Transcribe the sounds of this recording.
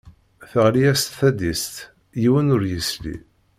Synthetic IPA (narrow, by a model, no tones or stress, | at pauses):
θəʁlijæst̪θæd̪ist̪ | jiwənʊɾjəslḭ